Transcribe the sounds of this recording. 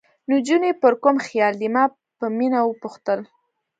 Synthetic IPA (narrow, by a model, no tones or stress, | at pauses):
nud͡ʒunepəɾkomxjɑld̪imɑ | pəminawəpuxt̪əl